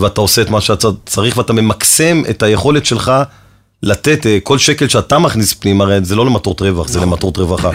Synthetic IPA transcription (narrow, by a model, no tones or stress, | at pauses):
veatao̞se̞etmaʃeatat͡saʁiχveatame̞makse̞methaje̞χo̞le̞tʃe̞lχa | late̞teko̞lʃekelʃeatamaχnispnimaʁezelo̞lematotʁe̞vaχzelematot̪ʁevaχa